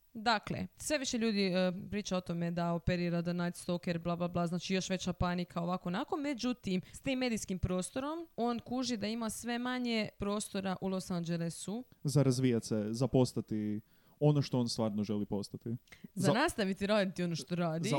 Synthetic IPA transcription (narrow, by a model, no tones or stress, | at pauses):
d̪aklḛsʋe̞ʋiʃe̞ʎuːd̪ipɾiːt͡ʃao̞t̪o̞me̞d̪ao̞peɾiːɾad̪anajt̪st̪o̞keɾblˠaːblˠablˠaːznaːt͡ʃijo̞ʃʋe̞t͡ɕapanikʰao̞ʋako̞nako̞me̞d͡ʑut̪imst̪iːmːe̞d̪iskimpɾo̞ːst̪oɾo̞mo̞ːnkuʒid̪aimasʋe̞maɲe̞pɾo̞ːst̪o̞ɾaʔulˠo̞sand͡ʒelesuzaɾazʋijat̪sezapo̞st̪at̪i | onoʃt̪ooːnst̪ʋaːɾnoʒelipo̞st̪at̪izanast̪aʋit̪iɾaːd̪it̪io̞no̞ʃt̪o̞ɾaːd̪i